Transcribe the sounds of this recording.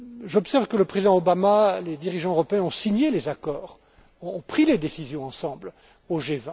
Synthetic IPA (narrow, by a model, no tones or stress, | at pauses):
ʒɔpsɛʁvkələpχezid̪ɑ̃obamaled̪iʁiʒɑ̃øʁɔpeɛ̃ɔ̃siɲelezakɔːʁ | ɔ̃ːpχiled̪esizjɔ̃ɑ̃sɑ̃bl | oʒevɛ̃